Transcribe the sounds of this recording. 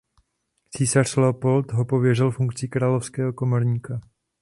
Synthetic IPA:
t͡siːsar̝̥slɛopo̞lt̪ɦo̞po̞vjɛrɪlfuŋkt͡sikɾaːlofskɛːɦoko̞moɾɲiːka

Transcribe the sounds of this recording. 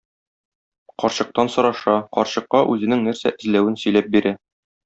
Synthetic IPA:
qɒɾɕɤ̆q̚t̪ɑnsɤ̆ɾɑʃɑqɒɾɕɤ̆qːɑʔʉzɘ̆nɘŋnæɾsæ̰ʔɘ̆zlæwɘnsɵ̆jlæp̚biɾæ

